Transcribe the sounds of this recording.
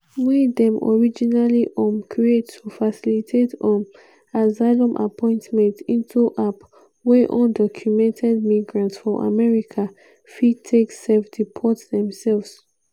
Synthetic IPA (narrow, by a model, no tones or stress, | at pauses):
widɛ̃mɔ̰ɹid͡ʒinaliʔɔ̃mkʰɹietʰːufasilitʰetɔ̃m | azaɪlɔ̃mʔa̰pʰɔ̃ɪ̃ntmɛ̃ntĩntʰuʔap | wɛʔɔ̃ndɔkʰjumɛ̃ntʰɛd̚miɡɹãntsfɹɔ̃ʔa̰mɛɹikʰa | fitʰeksɛfdipʰɔtsdɛ̃msɛlvs